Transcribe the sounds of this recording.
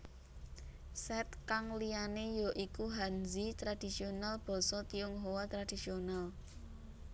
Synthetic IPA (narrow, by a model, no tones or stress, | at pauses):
sɛt̪̚kaŋlijanejɔʔikuɦanzit̪ɾad̥i̤sionalb̥ɔ̤sɔt̪iuŋɦowat̪ɾad̥isional